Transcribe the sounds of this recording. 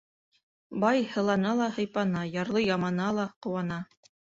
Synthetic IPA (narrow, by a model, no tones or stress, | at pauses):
bɑjhɤ̆lˠɑnɑlˠɑhɤ̆jpɑnɑjɑɾlˠɤjɑmɑnɑlˠɑqŏwɑnɑ